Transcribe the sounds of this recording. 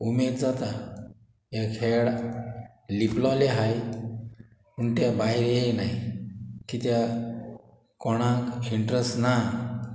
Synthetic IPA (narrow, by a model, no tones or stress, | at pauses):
umed̪d͡zat̪a | ekʰeɽ | liplɔleɦaj | puɳt̪jabaɦiɾjejnajkit̪ja | kɔɽ̃ãkiɳʈɾəsna